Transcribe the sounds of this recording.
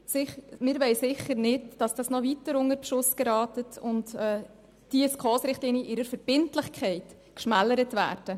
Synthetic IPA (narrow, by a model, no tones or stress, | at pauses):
sɪχmɪɾʋɛɪsɪχəɾnɪdd̥ɑsd̥ɑsnɔʋitəɾʊŋəɾpʃʊskeɾɑːtətʰʊntɛː | d̥iəskχoːsɾɪχtliːnjəʔɪɾəɾfəɾb̥ɪntlɪχkχɛɪt | kʃmæləɾətvæ̰ːɾd̥ə